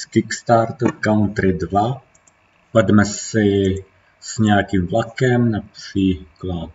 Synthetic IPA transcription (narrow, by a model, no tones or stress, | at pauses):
skɪkst̪aɾt̪kawnt̪ɾɪdva | vɛdmɛsɪ | sɲɛakimvlakɛmnapr̥iːklat̪̚